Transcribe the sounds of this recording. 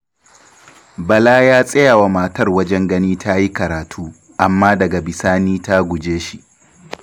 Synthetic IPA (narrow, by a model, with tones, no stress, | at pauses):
bɐ˨laː˦jaː˦sʼɐ˦jaː˨wa˨maː˨tɐ˦rwɐ˦d͡ʒɛ˦ŋɡɐ˦niː˦tʰa˦ji˦kɐ˨ɾaː˨tʰuː˦ | ʔa˨mːaː˦dɐ˨ɡa˨bɪ˨saː˦niː˦ta˦ɡʷʊ˨d͡ʒeː˦ʃi˦ʔ